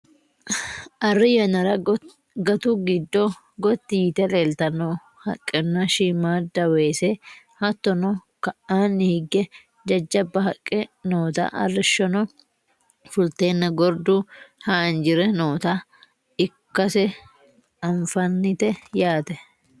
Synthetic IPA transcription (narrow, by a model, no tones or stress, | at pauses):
ʔɐrːɪjɐnɐɾɐ | ɡɐt̪uɡɪd̪ːɔ | ɡɔt̪ːɪjɪt̪ɛleːlt̪ɐnoː | hɐkʼːɛnːɐʃimaːd̪ɐweːse | hɐt̪ːɔnɔ | kɐʔaːnːɪhɪɡːɛ | d͡ʒɐd͡ʒːɐbːɐɦɐkʼːɛnoːt̪a̰ːʔɐrːɪʃːɔnɔ | fʊlt̪e̞ːnːɐɡɔɾd̪uhaːnd͡ʒɪɾɛno̞ːt̪aː | ɪkːɐsɛ | ɐɱfɐnːɪt̪ɛjaːt̪ɛ